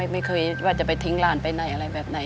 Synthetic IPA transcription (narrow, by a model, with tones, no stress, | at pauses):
jma˥˩jkʰɤː˧jwaː˥˩t͡ɕa˨˩pa˧jt̪ʰi˦˥ŋlaː˧˩npa˧jnɔ˨˩jʔa˧ɾa˧jbɛː˨˩p̚na˨˩